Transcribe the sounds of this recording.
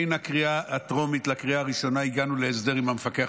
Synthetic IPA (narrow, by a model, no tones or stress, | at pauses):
jnakʁiaːtʁo̞mitlakʁiaːʁiʃo̞naiɡanule̞ːsde̞ʁimamefakea